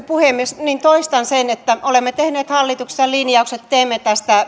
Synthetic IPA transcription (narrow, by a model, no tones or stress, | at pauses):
puheˑmːiesnint̪oist̪ɑnsenet̪ːæʔolemːet̪ehneːt̪hɑlːit̪ukse̥sjɑlinjɑukset̪teːmːet̪æst̪æ